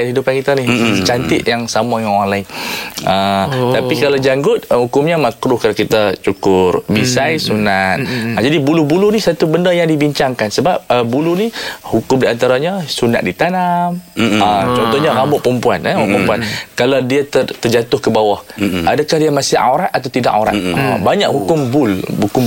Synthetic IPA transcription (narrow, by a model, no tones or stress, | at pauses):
aɦidupankit̪anit͡ʃant̪ɪt̪̚jaŋsamajaŋoanlaɪŋət̪apikalawd͡ʒaŋɡʊt̪̚hukʊmɲamakɾʊhkalakit̪at͡ʃukʊrbisajsunat̪̚d͡ʒadibulubulunisat̪ubəndəjaŋdibiɲt͡ʃaŋkansəbap̚əbulunihukʊmdiant̪aɾaɲasuna̰t̪̚dit̪anamət͡ʃɔnt̪ɔhɲaɾabʊʔpəmpuanabɔʔpəmpuankaladiat̪ərt̪ərd͡ʒat̪ʊhkəbawahadakahdijamasɪhʔa̰wɾat̪̚at̪awt̪ida̰kaɾa̰t̪ə̰baɲaʔhukʊmbʊlhukʊm